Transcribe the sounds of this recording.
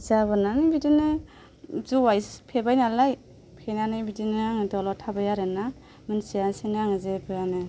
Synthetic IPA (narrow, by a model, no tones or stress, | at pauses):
zabɯnanɯbidinɯ | zuwajspʰebajnalaj | pʰenanɯbidinɯaŋɯdɔlɔtʰabajaɾɯna | mɯnsijansenaŋɯzebɯjanɯ